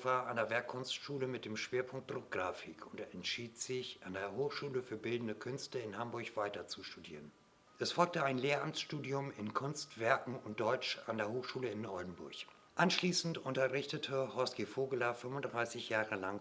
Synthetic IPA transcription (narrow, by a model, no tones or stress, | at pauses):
v̥aːʔandeːɐvɛɐkʰːʊnstʃuːləmɪt̚d̥eːmʃv̥eːɐpʰʊŋk̚t̚d̥ʁʊk̚ɡ̥ʁaːfɪkʰʊntɛntʃiːtz̥ɪçʔandeːɐɦoːxʃuːləfyːɐbɪldn̩dəkʰʏnstəɪnhambʊɐçv̥aɪtɐt͡suʃtudḭːʁən | ʔɛsfɔlk̚təaɪnleːɐʔamt͡sʃtuːdiʊmɪnkʰʊnstv̥ɛɐkŋ̩ʊnt̚d̥ɔʏt͡ʃa̰ndeːɐɦoːxʃuːləɪnʔɔldn̩bʊ̰ɐç | ʔanʃliːsn̩tʊntɐʁɪçtətʰəhɔskifoːɡəlɐfʏmvʊntd̥ʁaɪsɪçjaːʁəlaŋ